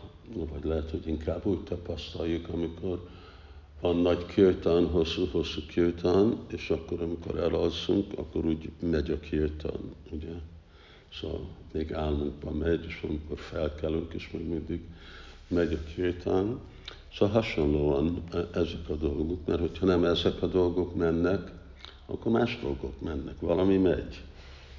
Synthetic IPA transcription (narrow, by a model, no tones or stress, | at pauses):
nvɒɟlɛɦɛt̪ho̞ɟiŋkʰaːbːuːɟt̪ɒpɒst̪ɒjjukɒmikʰo̞r | vɒnːɒɟkʰirt̪ɒnɦosːuho̞sːukʰirt̪ʰɒneːʃɒkːo̞ɾɒmiko̞̰ɾɛlolzuŋkɒ̰kːo̞ɾuːɟmɛɟɒkʰirt̪ʰɒ̰nuɟɛ | soɦɒ̰lmeːɡaːlmuŋɡbɒmɛɟeːʃɒmiko̞rfɛlkɛlyŋkeːʃmɛɡmind̪iɡ | mɛɟɒkʰirt̪ʰɒn | solɦɒʃo̞nloːɒnɛzɛkɒd̪o̞lɡokmɛ̰rho̞cʰhɒnɛmɛzɛkɒd̪o̞lɡo̞kmɛnːɛk | ɒ̰kːormaːʒd̪o̞̰lɡo̞kmɛnːɛkʋɒlɒmimɛ̰ɟ